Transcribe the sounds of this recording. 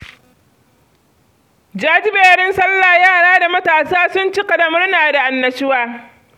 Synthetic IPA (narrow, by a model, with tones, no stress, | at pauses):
d͡ʒaː˦d͡ʒɪ˦beː˨ɾɪ˦nsɐ˦lːaː˨jaː˦˨ɽaː˦da˨mɐ˦taː˨saː˦sʊ˦nt͡ʃi˦kɐ˨dɐ˨mʊ˦rnaː˨da˨ʔa˨nːɐ˨sɪ˦waː˦